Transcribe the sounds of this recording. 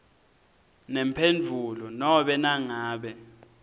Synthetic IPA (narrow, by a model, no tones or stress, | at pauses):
nɛmpʰend͡vʱulɔnɔɓɛnaŋaːɓɛ